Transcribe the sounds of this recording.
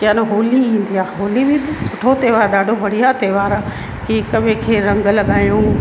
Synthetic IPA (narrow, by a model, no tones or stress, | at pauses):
kanoɦoːliĩːnd̪iaːɦoːliʋĩːnd̪isʊʈʰot̪eːʋaːɾɗaːɖʱobʱɐɽ̤ijaːt̪eːʋaːɾ | kikəʋẽkʰeːɾɐ̃ŋɡəlɡaːjũː